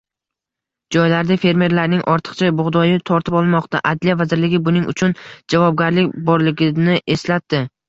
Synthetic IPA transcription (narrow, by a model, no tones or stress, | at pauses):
d͡ʒɒjlaɾd̪afe̞ɾme̞ɾlaɾnɪŋʔɒɾt̪ʰɨ̥qt͡ʃʰabʊʁd̪ɒjɪt̪ʰɒɾt̪ʰɪpɒlˠmɒqt̪a̰ʔad̪lijavazɪɾlɪɡʲɪbʊnɪŋʔʊ̰t͡ʃʰʊnd͡ʒavɒb̚ɡʲaɾlɪkʲbɒɾlɪɡʲɪnɪʔe̞slat̪ːɪ